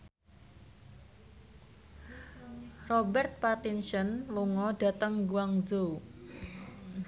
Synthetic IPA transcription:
rɔbɛrt̪̚part̪insənluŋɔɖa̤t̪əŋɡuwaŋzo

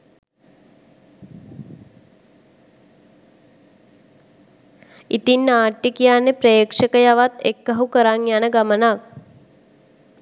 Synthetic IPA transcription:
it̪inːaːʈːikijanːepɾeːkʂəkəjaʋat̪ekːaɦukəɾaŋjanəɡamənak̚

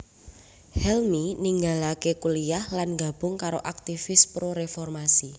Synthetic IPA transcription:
hɛlminiŋɡalakekuliahlanɡa̤b̥ʊŋkaɾo̰ʔak̚t̪ifɪspɾoɾefɔrmasi

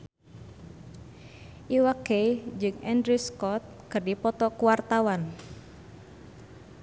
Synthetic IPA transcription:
ʔiwakejd͡ʒɨŋɛndɾuskɔt̪̚kɨrdipɔt̪ɔkuwart̪awan

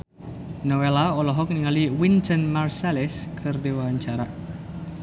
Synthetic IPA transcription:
nɔwelaɔlɔɦɔk̚niŋaliwintənmarsalɛskʰɨrdewaɲt͡ʃaɾa

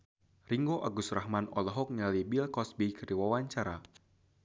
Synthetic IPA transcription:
riŋɡoʔaɡust̪rahmanɔ̰laɦɔk̚ɲalibilkɔsbikərdiwawaɲt͡ʃaɾa

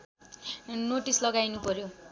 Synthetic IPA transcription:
noʈislʌɡajnupʌɾjo

